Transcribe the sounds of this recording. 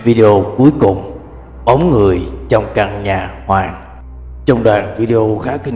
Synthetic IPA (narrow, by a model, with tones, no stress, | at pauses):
vi˧ɗe˧o˧ku˨˦əjkʊ˨˩ŋ͡m | ɓɔ˨˦wŋ͡mŋɨ˨˩əjt͡ɕɔ˧wŋ͡mka˧˩ŋɲaː˨˩hwaː˨˩ŋ | t͡ɕɔ˧wŋ͡mɗwaː˨˩nvi˧ɗe˧ʔo˧xaː˨˦kï˧ŋ